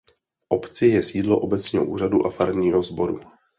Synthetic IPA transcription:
fʔopt͡sɪjɛsiːdloʔobɛt͡sɲɛːɦo̰ʔuːraduʔafaɾnɲiːɦozbo̞ɾṵ

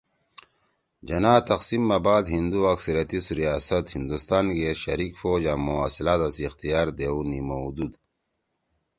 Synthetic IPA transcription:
d͡ʑɐnaːt̪ɐqsimːɐbaːd̪ɦind̪uɐksɐɾjɐt̪isuɾijaːsɐt̪hind̪ust̪aːnkeɕɐɾiːkfoːd͡ʑamoaːsilaːt̪ɐsixt̪ijaːɾd̪eunimoud̪ud̪

